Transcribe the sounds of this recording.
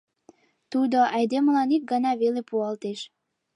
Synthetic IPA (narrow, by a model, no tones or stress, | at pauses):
t̪ud̪oʔɑjd̪eməlɑnik̚ɡɑnɑβelepuɑlt̪eʃ